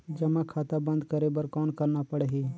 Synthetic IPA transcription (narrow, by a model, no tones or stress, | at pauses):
d͡ʒɐmãkʰaːt̪abɐ̃nd̪kəɾebəɾkɔːnkəɾnapəɽeɦeː